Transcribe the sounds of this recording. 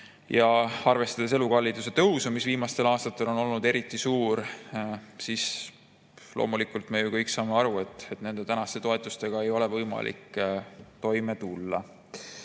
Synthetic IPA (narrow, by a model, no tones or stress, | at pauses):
jɑɑrve̞st̪ɑd̪̥es̬e̞lukɑlːid̪use̞t̪ɤwsumisviːmɑst̪e̞lɑːst̪ɑt̪ːˑe̞lo̞no̞lnud̪e̞ɾit̪ːˑisuːɾ | sis | lʔo̰ːmulikˑult̪me̞jukɤjksɑːmeɑɾue̞t̪ːˑe̞t̪ne̞nd̪e̞t̪ænɑst̪e̞t̪o̞et̪ˑust̪e̞ɡ̥ɑe̞jo̞le̞vɤjmɑ̰lʔḭkː | t̪o̞jme̞t̪ulːɑ